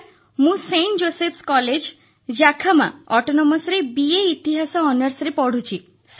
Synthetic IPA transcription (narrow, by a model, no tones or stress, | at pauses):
mũseɳʈd͡ʒosepʰskɔled͡ʒ | d͡ʒakʰama̰ɔʈonɔmɔsɾebieit̪iɦasɔːnəɾsɾepɔɽ̤ʱut͡ʃʰi | s